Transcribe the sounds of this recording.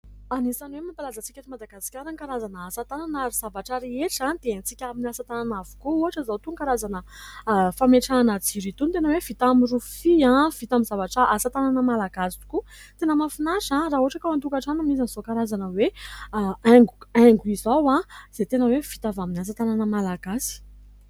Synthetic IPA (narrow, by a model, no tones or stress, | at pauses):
anisanwemipalazət͡sikʲaɾimad̪aɡasi̥kʲaɾaŋkaɾazanəːsat̪ananaɾiz̥avaʈ͡ʂəɾeeʈ͡ʂãnd̪̥eent͡sikʲaminiasat̪ananavu̥kuuɦaʈ͡ʂəzawt̪uŋkaɾazanə | fameʈ͡ʂanət͡siɾit̪unt̪enəwev̥it̪amirufiãv̥it̪amizavaʈ͡ʂəasat̪ananəmalaɡasi̥u̥ku | t̪enəmafinaʃãraɦuaʈ͡ʂakaant̪ukaʈ͡ʂanamizanz̥okaɾazanəwe | ɛŋɡuɛŋɡuizawãz̥et̪enəwev̥it̪avaminas̬at̪ananəmalaɡasi̥